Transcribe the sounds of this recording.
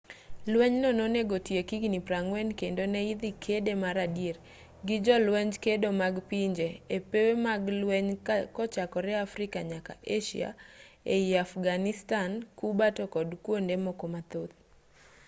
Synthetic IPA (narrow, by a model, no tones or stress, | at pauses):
lwɛɲnɔnoneɡotjekiɡnipɾaŋwɛnkendonɛid̪ikʰedemaɾadjer | ɡɪd͡ʒɔlwɛɲd͡ʒkedomaɡpiɲd͡ʒeːpewemaɡlwɛɲkɔt͡ʃakɔɾɛafɾɪkaɲaka̰ʔeʃḭa̰eiafɡanɪstankubatɔkɔdkwondemɔkomat̪ot̪